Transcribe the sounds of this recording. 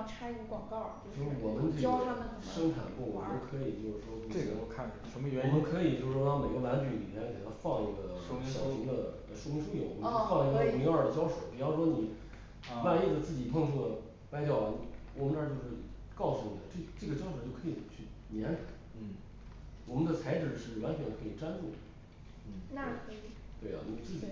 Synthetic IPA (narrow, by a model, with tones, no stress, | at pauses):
ʈ͡ʂʰa˥kə˥˩kwɑ˨˩ŋkɑ˥˩ʊt͡ɕo˥˧t͡ɕo˥˩ʂwɔ˨˩mə˧˦nt̪ʰə˥ə˧˩˧ʂɤ˥ŋʈ͡ʂʰa̰˨˩nkʊ˥˩ŋwɔ˨˩˨nə˥kʰɤ˧˥i˨˩t͡ɕjo˥˧ʊʂɻ̩˥˩ʂwɔ˥t͡ɕo˥˩˥ɔ˧˩kʰa˥˩n˨˩ʂə˧˥mə˧ɥɛ˧˥wɔ˨˩mə˦˥kʰɤ˧˥i˨˩t͡ɕjo˥˧ʂɻ̩˧˩ʂwɔ˥lɑ˥˩ŋme˨˩ɪɡə˧˦la˧˥nt͡ɕy˧˥lḭ˨˩mʲjɛ˥nkʰe˨˩ɪ˩la˧˥fɑ˥˧ŋi˥˩ɡə˩˥ɕjɑ˥ɕi˧˥ŋd̪ə˨ | ə˧ʂwʊ˥ŋ˧ʂʰu˥jo˨˩w̰mə˦˥˧fɑ˥˧ŋi˥˩ɡə˨˧˨mi˧˥ŋa˞˥˧˩d̪ə˩t͡ɕjɑ˥ʊʂo˨˧˩ʊpi˨˩jɑ˥˩ʊʂwɔ˥ni˨˩ | wa˥˧ne˥˩də˩t͡sɹ̩˥˩t͡ɕi˨˩pʰɤ˥˧ŋʈ͡ʂʰu˥˩d̪ə˩ | pa˥ɪt͡ɕjɑ˥˩ʊ˩ni˩wɔ˨˩mə˦n˥˧t͡ɕjo˥˧ʊʂɻ̩˥˩ | kɑ˥˩ʊsu˧˩ni˨˩d̪ə˦ʈ͡ʂe˥˩ʈ͡ʂɤ˥˩ɡə˩t͡ɕjɑ˥ʊʂo˧˥t͡ɕo˥˩ʊkʰɤ˧˥i˨˩t͡ɕʰy˥˩njɛ˧˥nʈ͡ʂa̰˨˩˦ | wɔ˨˩mə˦nd̪ə˧t͡sʰa˧˥ɪʈ͡ʂɻ̩˨˩ʂɻ̩˥˩wa˧˥nt͡ɕʰɛ˧˥ə˧kʰɤ˧˥i˨˩ʈ͡ʂa˥nʈ͡ʂu˥˩˥ | t̪we˥˩ɪɐ̰˨ni˨˩t͡sɹ̩˥˩t͡ɕḭ˨˩